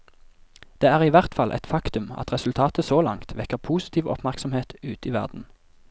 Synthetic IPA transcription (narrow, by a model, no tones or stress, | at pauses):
d̪̥eːæːʁiːʋæʁt̪fɑlʔɛ̰t̪fɑkt̪ʉmɑ̰t̪ʁɛsʉlt̪ʰɑːt̪əsoːlɑ̰ŋt̪ʰʋɛkəʁpʰuːsɪ̥t̪ʰiːʋɔ̰pmæʁksɔmheːt̪ʉːt̪iːʋæ̰ʁd̪n̩